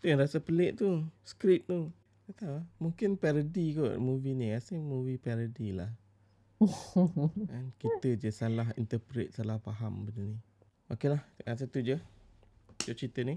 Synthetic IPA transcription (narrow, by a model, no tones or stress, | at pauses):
t̪ujaŋɾasəpəleʔt̪uskɾit̪̚t̪u | t̪at̪alamuŋkɪnpɛɾədikoʔmuvinĩasimuvipɛɾədilah | ankit̪əd͡ʒəsalaɦḭnt̪əpɾet̪̚salahpaɦambənəni | ʔokilahas̬ət̪ud͡ʒə | d͡ʒɔʔt͡ʃit̪əni